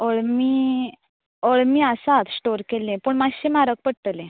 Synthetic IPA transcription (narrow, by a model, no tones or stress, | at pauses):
ɔɭmi | ɔɭmiːasat̪sʈoɾkelẽpəɳmaɕẽmaɾək̚pəɽt̪əlẽ